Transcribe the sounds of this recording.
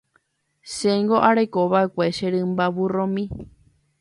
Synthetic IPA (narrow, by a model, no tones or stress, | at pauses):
ʃẽŋɡoʔaɾekoβaekʷeʃeɾɨ̃mbaβurõmĩ